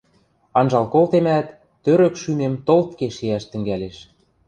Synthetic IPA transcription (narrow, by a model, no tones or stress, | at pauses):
ɑnʒɑlkolt̪emæt̪ː | øɾø̆kʃymemt̪olt̪keʃiæʃt̪ɘ̆ŋɡæleʃ